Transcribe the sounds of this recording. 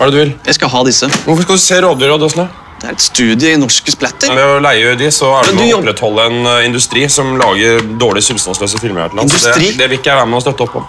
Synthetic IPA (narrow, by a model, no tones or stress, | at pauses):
ɑɖɛd̪ʉjɪljæskɑɦɑːd̪ɪsəʋʊɾfɔʂkɑld̪ʉseːɾoːd̪ʏɾɑd̪œsnə | d̪̥ɛæ̰ɾɛt̪st̪ʉːd̪ɪəɪnɔʂkəsplɛt̪ːəd̪ɛɔlæɪəød̪ɪsɔæɖmɔɔɔpːɾɛt̪hɔlːəɛnɪnd̪ʉst̪ɾiːsɔmlɑːɡəɾd̪oːɭɪsɪlst̪ɑnsløːsəfɪlməɾæ̰əɑndɛd̪ɛæʋɪɪkːəæɖæɾmɛɔst̪œt̪ːɔpʰːɔ̰